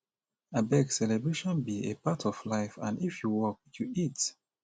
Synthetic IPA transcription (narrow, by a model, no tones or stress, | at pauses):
abɛɡsɛlɛbɹeʃɔ̃nbiḛpatʰɔflaɪfã̰nifjuwɔk̚juit